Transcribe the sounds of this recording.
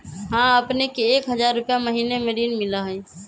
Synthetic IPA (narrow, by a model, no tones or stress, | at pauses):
ɦãəpnekeːkɦəd͡ʒaɾːupjaməɦiːnemeɾiːnmɪləɦə̃j